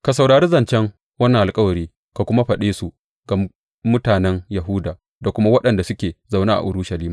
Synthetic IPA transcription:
ka˨sɐ˨wɽaː˨ɾiː˦zɐ˨nt͡ʃɛ˦ŋ | wɐ˦nːɐ˨ʔa˨lkʼɐ˦wɐ˨ɾiː˦ | ka˨kʷʊ˦ma˦ɸɐ˨ɗeː˦su˨ | ɡ̥a˨ | mʊ˦taː˨nɛ˦ŋjɐ˨ɦʊ˦daː˨ | da˨kʷʊ˦ma˦wɐ˦ɗɐ˨nda˨sʊ˦kʲeː˨za˨wnaː˦ʔa̰˨ʔʊ˨ɽʊ˦ʃɐ˨liː˦ma˨

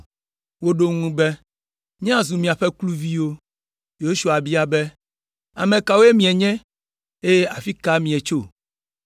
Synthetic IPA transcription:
wo˦ɖo˦ŋũ˦bɛ˦ | ɲɛ̃˦a˨zũ˨mĩ˨a˨ɸɛ˦klu˦vi˦wo˦ | jo˦ʃu˦a˨bi˦a˦bɛ˦ | a̰˨mẽ˨ka˨wo˦e˦mĩ˨ɛ˨ɲɛ̃˦ | e˦je˦ʔa˨fi˦ka˦mĩ˨ɛ˨t͡ʃo˦

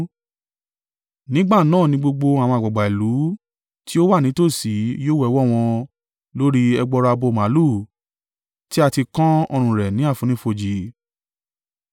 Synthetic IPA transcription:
nĩ˦ɡ͡ba˦˨nãː˦˨nĩ˨˧˦ɡ͡bo˧ɡ͡bo˧a˨w̃ɔ̃˧a˨ɡ͡ba˨ɡ͡ba˨i˨lu˨˦ | ti˦o˦wa˦˨nĩ˨˦to˦˨si˨˦joː˦wɛ˦˧wɔ˦˨w̃ɔ̃˧ | lo˦ɾi˦ɛ˧ɡ͡bɔ˧ɾa˧bo˧˨mã˨˦lu˦˨ | ti˦a˧ti˧kã˦ɔ̰˧ɾ̃ũ˨ɾɛ˨nĩ˨˦a˦˨fũ˨˧˦nĩ˦fo˧d͡ʒi˨˦

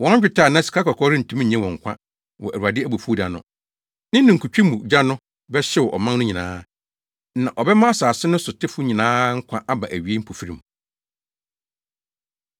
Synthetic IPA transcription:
wɔ̃˦t͡ɕᶣɪ˨tʰaː˦˨nã˦˨si̥˨kʰa˦kʰa˨kʰɔ˦ɾɪ˦n̩˨tʰũ˦m˦ɲ̩˨ɲɛ̃˦wɔ̃˨ŋ̩˨kʷʰã̰˦ | wɔ̰˨ʔæ˨u˨a˨dɪ˦æ˦bu˨fu˦da˨nʊ̃˦ | nɪ̃˦nɪ̃˨ŋ̩˨kʰu˨t͡ɕᶣi˦mũ˨d͡ʑa˦nʊ̃˦ | bɛ˦ɕɛ˦wɔ˨ʔɔ̰˨mã˦nʊ̃˦ɲĩ˨nã̰ː˦ | nã̰˨ʔɔ˨bɛ˦mã˦a˦saː˨sɪ˦nʊ̃˦sʊ˨tʰɪ˦fʊ˦ɲĩ˨nãː˦ŋ̩˦kʷʰã˦ʔa˦ba̰˨ʔæ˨ɥi˨˦e˦m̩˦pʰu˨fi˦ɾĩ˨m

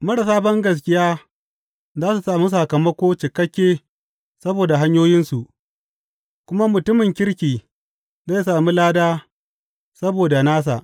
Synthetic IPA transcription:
mɐ˦ɽa˨saː˦bɐ˦ŋɡɐ˨s̬kʲɪ˦jaː˦ | zaː˦su˨saː˨mu˦s̬a˨kɐ˨mɐ˦kʷoː˦t͡ʃɪ˨kɐ˦kʲːeː˦ | sɐ˦boː˨da˨ɦa˦ɲjoː˦jɪ˦nsu˨ʔ | kʷʊ˦ma˦mʊ˨tʊ˦mɪ˨ŋkʲɪ˦ɽkʲiː˨ | za˦jsaː˨mu˦laː˦daː˦ | sɐ˦boː˨da˨naː˦s̬a̰˨ʔ

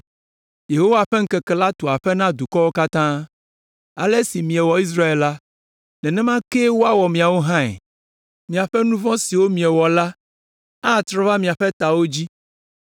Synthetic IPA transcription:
je˨ɦo˦wa˦˨ɸɛ˦ŋ̩˦kɛ˨kɛ˨la˦t̪o˨a˨ɸɛ˦nã˦d̪u˨kɔ˦wo˦ka˦t̪ã˦ | a̰˨le˦si˨mĩ˨ɛ˨wɔ˨i˦s̬ɾa˦e˨lla˦ | nɛ̃˨nɛ̃˦mã˦ke˦wo˦a˦wɔ˨mĩ˨a˨wo˦ɦã˦ɛ̰˨ | mĩ˨a˨ɸɛ˦nũ˦vɔ̃˦si˨wo˦mĩ˨ɛ˨wɔ˨la˦ | a˦˨t̪ɾɔ̃˦va˦mĩ˨a˨ɸɛ˦t̪a˨wo˦d͡ʑi˦

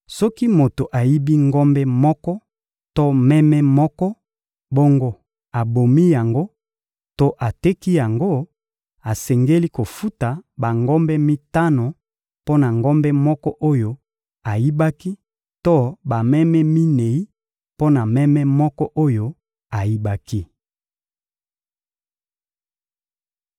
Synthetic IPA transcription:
sɔ˦ki˦mo˨to˨ʔa˨ji˦bi˦ŋɡɔ˦mbɛ˦mɔ˦kɔ˦ | to˦mɛ˦mɛ˦mɔ˦kɔ˦ | bo˦ŋɡo˦ | a˨bo˨mi˦ja˨ŋɡo˦ | to˦ʔa˨tɛ˦ki˦ja˨ŋɡo˦ | a˨sɛ˨ŋɡe˦li˦ko˨fu˦ta˨ba˨ŋɡɔ˦mbɛ˦mi˦ta˦no˨ | po˦na˨ŋɡɔ˦mbɛ˦mɔ˦kɔ˦ʔo˦jo˦ | a˨ji˦ba˦ki˦ | to˦ba˨mɛ˦mɛ˦mi˦ne˨i˦ | po˦na˨mɛ˦mɛ˦mɔ˦kɔ˦ʔo˦jo˦ | a˨ji˦ba˦ki˦

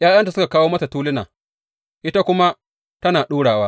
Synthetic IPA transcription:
jaː˦jɐ˦nta˨sʊ˦ka˨kaː˦woː˦mɐ˦ta˨tuː˦lɪ˦na̰ː˨ | ʔɪ˦ta˦kʷʊ˦ma˦ | tɐ˦naː˨ɗuː˦ɽaː˨waː˦

